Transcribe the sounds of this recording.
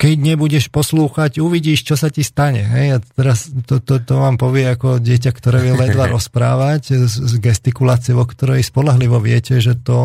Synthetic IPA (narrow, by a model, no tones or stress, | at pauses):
kɛɟɲɛbuɟɛʃpɔsluːxacuʋiɟiːʃt͡ʃɔsacist̪aɲɛɦɛjat̪ɛɾast̪ɔt̪ɔt̪ɔʋaːmpɔʋɪɛakɔɟɪɛc̬akt̪ɔɾɛːʋjɛlɛd̪ʋaɾɔspɾa̰ːʋaczzɡɛst̪ikulaːt͡sɪɛʋɔkt̪ɔɾɛjspɔlaɦliʋɔʋɪɛcɛʒɛt̪ɔ